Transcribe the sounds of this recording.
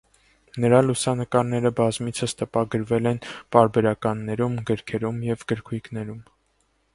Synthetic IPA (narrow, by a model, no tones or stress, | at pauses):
nəɾɑlusɑnəkɑɾnɛɾəbɑzmit͡sʰəst̪əpɑɡəɾvɛlɛnpɑɾbɛɾɑkɑnːɛɾumɡəɾkʰɛɾumjɛvɡəɾkʰujkʰnɛɾum